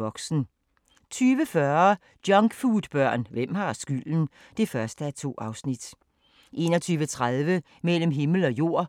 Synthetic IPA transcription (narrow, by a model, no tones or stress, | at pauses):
ɒ̽ɡ̥sn̩ | t͡sʰyːʋəfɶɐ | d̥jɒ̽ŋɡ̥fuːd̥b̥ɶɐ̰nʋem̰hɑ̈sɡ̥yl̰n̩ | d̥e̝fɶɐsd̥əæt͡sʰo̝̰ːʔɑ̈ʊsnid̥ | ʔe̝nɒt͡sʰyːʋət͡sʰʁaðˠʋə | mel̰m̩ɦe̝ml̩ɒ̽jo̝ɐ̰